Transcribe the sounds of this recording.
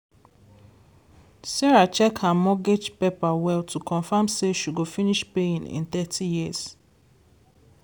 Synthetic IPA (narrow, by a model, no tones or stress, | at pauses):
sɛɹat͡ʃɛkʰanmɔɡed͡ʒpepawɛltʰukʰɔ̃nfamseʃuɡofiniʃpeĩnḭ̃nt̪ɛtʰijiz̥